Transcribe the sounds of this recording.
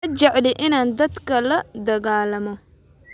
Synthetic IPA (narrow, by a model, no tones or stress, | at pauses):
ɐt͡ʃɛʕlɪʔɪnaːnd̪ɐd̪kʰɐlɐd̪ɐɣaːlɐmɔ